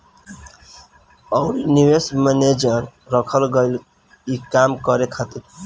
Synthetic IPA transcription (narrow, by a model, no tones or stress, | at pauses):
ɔʊɾiniwesməned͡ʒəɾɾəkʰəlɡəɪl | ikamkəɾekʰat̪iɾ